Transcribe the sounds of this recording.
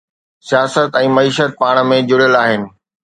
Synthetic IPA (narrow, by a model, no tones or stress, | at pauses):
sijaːsət̪ɛ̃ːmɐiːʃət̪̚paːɽ̃mẽd͡ʑʊɽjəlaːɦɪnɪ̆